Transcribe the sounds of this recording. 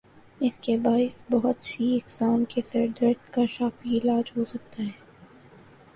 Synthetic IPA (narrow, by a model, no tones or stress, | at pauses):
ɪskebaːɪsbɐɦʊt̪siɪksaːnkesɐɾd̪ɾət̪kaʃaːfiɪlaːd͡ʒɦosɐk̚t̪aɦɛː